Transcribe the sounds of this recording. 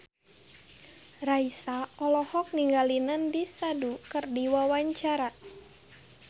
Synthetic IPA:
raisaɔlɔhɔk̚niŋɡalinandisadukɨrdiwawaɲt͡ʃaɾa

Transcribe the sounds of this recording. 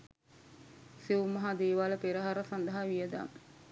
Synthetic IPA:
siʋumːɐɦad̪eːʋaləpeɾəɦaɾəsand̪ɐɦaʋijəd̪a̰ŋ

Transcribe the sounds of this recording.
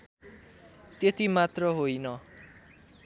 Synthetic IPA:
t̪jet̪imat̪rʌɦojnʌ

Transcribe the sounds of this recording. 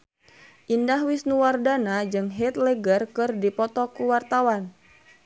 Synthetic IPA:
ʔindahwisnuwardanad͡ʒɨŋɦɛt̪lɛɡərkɨrdipɔt̪ɔkuwart̪awan

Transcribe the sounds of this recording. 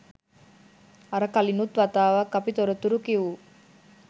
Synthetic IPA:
ɐɾɐkɐlinut̪ʋɐt̪aːʋɐkɐpit̪oɾɐt̪uɾukiʋu

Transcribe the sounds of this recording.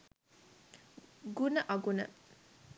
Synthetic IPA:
ɡunɐʔaɡunɐ

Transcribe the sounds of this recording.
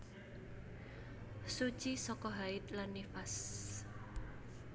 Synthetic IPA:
su̥t͡ʃisɔkɔɦaɪt̪̚lanːifas

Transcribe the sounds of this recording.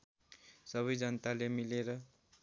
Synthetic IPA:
sʌβʌjd͡zʌnt̪alemileɾʌ

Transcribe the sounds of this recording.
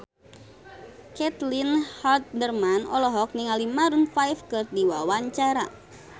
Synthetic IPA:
kɛt̪linhalt̪̚dərmanɔlɔɦɔk̚niŋalimaɾunfajfkɨrdiwawaɲt͡ʃaɾa̰

